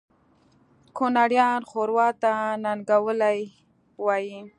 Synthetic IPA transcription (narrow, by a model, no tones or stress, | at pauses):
konaɽjɑnxoɾwɑt̪ananɡawəlaj | wɑji